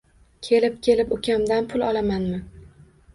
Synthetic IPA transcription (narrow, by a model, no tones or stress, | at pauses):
kʲʰe̞lɪp̚kʲʰe̞lɪpʊkʲamd̪anpʰʊlˠɒlˠamanmɪ